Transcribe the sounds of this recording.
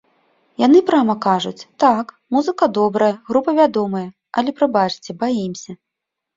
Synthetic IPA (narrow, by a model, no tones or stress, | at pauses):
janɨpɾamɐkaʐut͡sʲt̪ak | muzɨkɐd̪ɔbɾɐjɐɣɾupɐvʲad̪ɔmɐjɐ | ɐlʲɛpɾɐbat͡ʂt͡sʲɛbajimsʲɐ